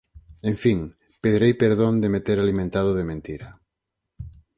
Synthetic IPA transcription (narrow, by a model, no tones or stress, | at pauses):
ẽɱfiŋ | peðɾejpeɾðõnd̪emet̪eɾalimẽnt̪að̞ʊðemẽnt̪iɾɐ